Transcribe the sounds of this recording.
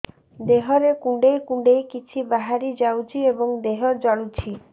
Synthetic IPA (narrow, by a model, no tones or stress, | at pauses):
d̪eɦɔɾekũɳɖejkũɳɖejkit͡ʃʰibaɦaɾid͡ʒawt͡ʃʰiebɔŋd̪eɦɔd͡ʒɔɭut͡ʃʰi